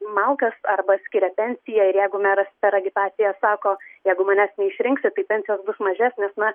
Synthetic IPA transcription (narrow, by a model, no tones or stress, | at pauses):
mɐlˠkɐsɐrbɐsʲkʲɪːɾʲɛpʲɛnʲsʲɪjɛɪɾjɛɪɡʊmʲɛɾɐspʲɛɾɐɡʲɪt̪ɑːt̪sʲɪjɛsɑːkoːjɛɪɡʊmɐːnʲæːsnʲɛɪʃʲɾʲɪŋksʲɪt̪ɐɪpʲɛnʲsʲɪjoːsbʊsmɐʒʲæsʲnʲeːsnɐ